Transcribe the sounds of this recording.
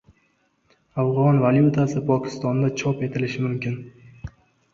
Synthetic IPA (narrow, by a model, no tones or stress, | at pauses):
afʁɒnvaljut̪ʰasɪpʰɒkʲʰɪ̥st̪ɒnd̪at͡ʃʰɒpe̞t̪ʰɪlɪʃɪmʊmkʲɪn